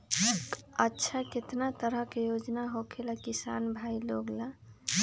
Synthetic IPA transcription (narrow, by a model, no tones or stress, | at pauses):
ətːʃʰaket̪nat̪əɾəɦkejod͡ʒnaɦokʰelakisa̰nbʱailoɡla